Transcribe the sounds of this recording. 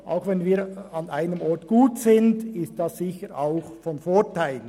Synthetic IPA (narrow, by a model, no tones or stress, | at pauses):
ʔa̰ʊxvɛnviːɾɑnaɪnəmɔɾtɡ̥uːtsɪndɪst̚d̥ɑssɪçəɾaʊxfɔnfoːtʰaɪl